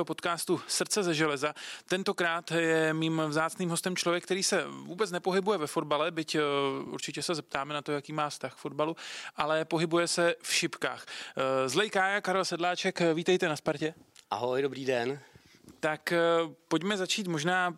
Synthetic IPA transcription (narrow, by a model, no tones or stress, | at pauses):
opo̞t̪kaːst̪usr̩t͡sɛzɛʒɛlɛzat̪ɛnt̪o̞kɾaːt̪jɛmiːmvzaːt͡sniːmɦo̞st̪ɛmt͡ʃlovjɛkt̪ɛɾiːsɛvuːbɛt͡snɛpo̞ɦɪbujɛvɛfo̞dbalɛbɪcʔṵɾt͡ʃɪcɛsɛzɛp̚t̪aːmɛnat̪o̞jakiːmaːfst̪axfo̞d̚baluʔalɛpo̞ɦɪbujɛsɛfʃɪpka̰ːxzlɛjkaːjakaɾɛlsɛdlaːt͡ʃɛkviːt̪ɛjt̪ɛnaspaɾcɛ | ʔa̰ɦojdobɾiːdɛn | t̪akpo̞cmɛzat͡ʃiːt̪mo̞ʒnaː